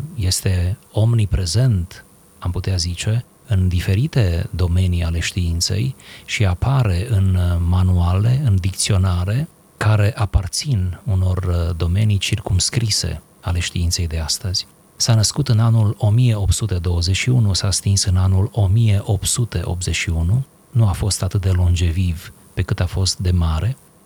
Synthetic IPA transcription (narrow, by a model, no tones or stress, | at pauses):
je̞st̪e̞o̞mnipɾe̞ze̞nt̪ | amput̪eazit͡ʃe̞ | ɨnd̪ife̞ɾit̪e̞d̪o̞me̞niale̞ʃt̪iint̪se̞̰jʃiapaɾe̞ɨnmanuale̞ɨnd̪ik̚t̪sio̞naɾe̞ | kaɾe̞ʔapart̪sinuno̞rd̪o̞me̞nijt͡ʃirkumskɾise̞̰ | ale̞ʃt̪iint̪se̞jd̪e̞ast̪əz̥ʲ | sanəskut̪ɨnanulo̞mije̞o̞p̪sut̪e̞d̪o̞wəze̞ʃiunusast̪insɨnanulo̞mije̞ʔo̞p̪sut̪e̞ʔo̞̰pze̞t͡ʃʃiunu | nuafo̞st̪at̪ɨt̪̚d̪e̞lo̞nd͡ʒe̞viv | pe̞kɨt̪afo̞st̪̚d̪e̞maɾʔe̞